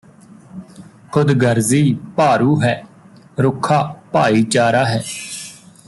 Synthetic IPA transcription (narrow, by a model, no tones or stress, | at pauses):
kʰʊd̪ɡəɾziːpaːɾuːɦɛː | ɾʊkʰːaːpaːiːt͡ʃaːɾaːɦɛː